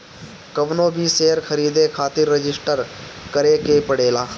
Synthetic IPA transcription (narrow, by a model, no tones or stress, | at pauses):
kəʋnoːbʱiseːəɾkʰəɾiːd̪ekʰaːt̪ɪɾːɪd͡ʒɪsʈəɾkəɾekepəɽeːlaː